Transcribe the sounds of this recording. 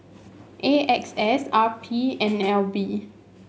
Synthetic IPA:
ʔeʔɛksɛsapʰiɛ̃nɛlbi

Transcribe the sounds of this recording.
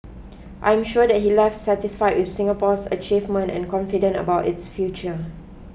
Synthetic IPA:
ʔã̰jɛ̃mʃuədɛt̚hilɛfsːɛtɪsfaɪjd̚wɪθsɪ̃ŋapɔsə̰t͡ʃivmə̃ntɛ̰̃nkɔ̃nfidə̃ntə̰baʊtɪtsfjut͡ʃə

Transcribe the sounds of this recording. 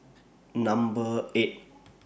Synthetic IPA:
nãmbəet̚

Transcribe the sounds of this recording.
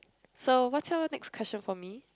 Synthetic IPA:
sowɔtawənɛkskʰwɛst͡ʃə̃nfɔmi

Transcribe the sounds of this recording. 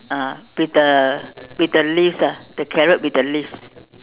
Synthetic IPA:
awit̚dəwit̚dəlifsad̥əkʰɛɹət̚wit̚dəlifs

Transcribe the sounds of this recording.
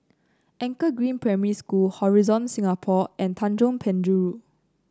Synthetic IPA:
ʔɛ̃ŋkəɡɹĩnpɹɛməiskulhɔɹizɔ̃nsĩŋapʰɔʔɛ̃ntʰãnd͡ʒõnpʰɛ̃ndɹu

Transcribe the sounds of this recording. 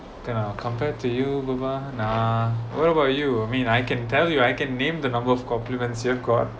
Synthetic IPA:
kanakʰɔ̃mpɛtujubabanawɔɾəbaʊtjuamĩnajkɛ̃ntɛljuajkɛ̃nːẽmd̪ənãmbəɔfkɔ̃mplimɛ̃nsjɔfɡɔt̚

